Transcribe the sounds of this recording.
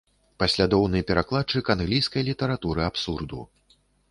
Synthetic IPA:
pasʲlʲad̪ɔwnɨjpʲɛɾaklˠatt͡ʂɨkanɣlʲijskɐjlʲit̪ɐɾat̪uɾɨapsurd̪ṵ

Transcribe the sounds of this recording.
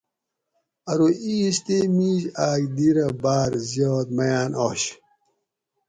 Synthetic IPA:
ɐɾoiːɕt̪emiːʑaːkd̪iɾɐbaːɾzjoːt̪̚mɐjaːnʔoːɕ

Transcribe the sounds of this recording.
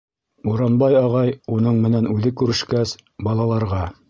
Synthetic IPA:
uɾɑnbɑjɑʁɑjunɤɴmɘ̆nænʉðɘkʉɾɘ̆ʃkæsbɑlˠɑlˠɑɾʁɑ

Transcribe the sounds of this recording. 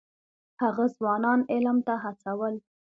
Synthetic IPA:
haɣazwɑnɑnɪlmt̪aɦat͡sawəl

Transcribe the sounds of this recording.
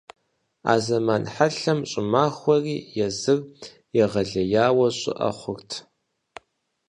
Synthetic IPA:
a̰ːzɐmaːnħaɬɐmɕʼɪmaːxʷɐriːjɛzɨr | jɛʁɐɮɐjaːwɐɕʼɪ̰ʔɐ̰χʷʊrtʰ

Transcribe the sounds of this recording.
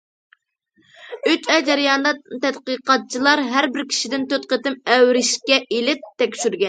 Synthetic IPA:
yt͡ʃɛjd͡ʒɛɾɪjɑnd̪ɑt̪ɛt̪qəqʰɑt̪̚t͡ʃʰilˠɑɾɦæɾbɪɾkʲʰi̥ʃid̪ɪnt̪øt̪̚qət̪ɪmɛwɾɪʃkʲɛʔelɪt̪̚ʰːɛkʲʃyɾɡʲɛn

